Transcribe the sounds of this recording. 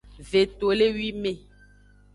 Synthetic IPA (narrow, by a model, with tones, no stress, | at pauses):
ve˨t̪o˨le˦wi˦mẽ˦˨